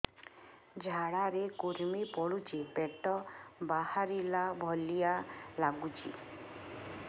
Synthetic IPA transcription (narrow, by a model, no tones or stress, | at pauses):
d͡ʒʱaɽaɾekuɾmipɔɽut͡ʃipeʈɔbahaɾilabʱɔlijalaɡut͡ʃḭ